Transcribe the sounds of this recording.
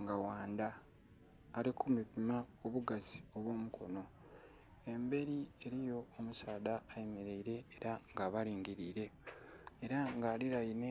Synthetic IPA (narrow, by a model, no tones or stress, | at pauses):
ŋɡawaːnd̪aː | likʰumipimaoβuɡazio̞βwo̞ːmukʰo̞̰no̞ | e̞mbe̞ɾie̞ɾijo̞ːmusaːdaːjemeɾe̞iɾe̞ːɾaŋɡaβaɾiːŋɡiɾiːɾe̞ | eɾaŋɡaːliɾajine